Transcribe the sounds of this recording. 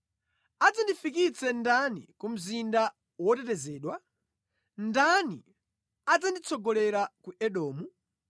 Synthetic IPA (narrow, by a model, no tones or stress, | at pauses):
ad͡zandifikit͡sɛndanḭkum̩zinda | wɔtɛtɛzɛːɗwa | ndanḭ | ad͡zandit͡sʰɔɡɔlɛɾakuʔɛɗɔːmu